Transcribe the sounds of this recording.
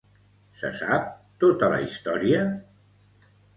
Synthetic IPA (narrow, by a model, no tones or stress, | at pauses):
sə̰sap̚t̪ot̪ələist̪ɔɾiə